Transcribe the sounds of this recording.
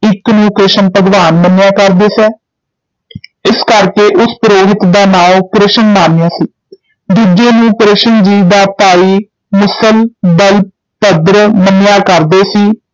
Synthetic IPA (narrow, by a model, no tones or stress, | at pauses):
ɪknũːkɾɪʃənpəd̪ʋaːnmənjaːkəɾd̪eːsɛː | ɪskəɾkeːʔʊspəɾoːɦɪt̪d̪aːnãːkɾɪʃənːaːnjãːsiː | d̪uːd͡ʒeːnũːkɾɪʃənd͡ʒiːd̪aːt̪aːiː | mʊsəld̪əl | pəd̪ɾəmənjaːkəɾd̪eːsiː